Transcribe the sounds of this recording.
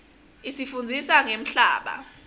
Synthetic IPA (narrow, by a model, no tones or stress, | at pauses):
isifund͡zʱisaŋem̩ɬaːɓa̰